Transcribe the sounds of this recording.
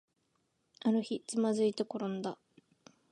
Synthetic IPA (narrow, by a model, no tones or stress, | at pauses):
aɾɯ̟çit͡sɨmazɨit̪eko̞ɾõnd̪a